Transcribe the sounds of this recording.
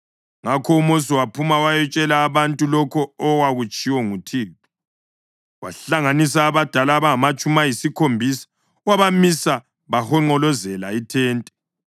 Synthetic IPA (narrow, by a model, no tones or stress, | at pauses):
ŋakʰɔumos̬iwapʰumawajɛt͡ʃʼɛlaːβantʼulɔkʰɔːwaɣut͡ʃʼiwɔŋutʰiːtɔ | wa̰ɬaŋanis̬aːβad̥ʱalaːβaŋamat͡ʃʼumajisikʰombʱisḁ | waβamisa | βahɔŋ͡ǃɔlɔzɛlaitʰɛːntʼɛ